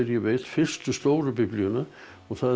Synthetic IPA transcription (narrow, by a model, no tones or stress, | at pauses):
ɛɾjɛvɪlfɪr̥st̪ʏst̪oːwɾʏpɪpliʏna | ɔɣθa